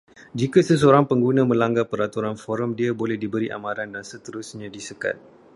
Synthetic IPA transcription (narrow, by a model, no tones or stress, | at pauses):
d͡ʒikasəs̬əoɾaŋpəŋɡunãmə̃laŋɡapəɾat̪uɾanfɔɾəmdiabolɛhdibəɾiʔa̰mãɾandansət̪əɾusɲãdisəka̰t̪̚